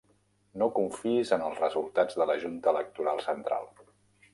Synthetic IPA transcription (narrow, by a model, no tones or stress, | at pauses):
nokuɱfiizənəlˠzrəzulˠt̪ad͡zðələʒunt̪əːlək̚t̪uɾalˠsənt̪ɾa̰lˠ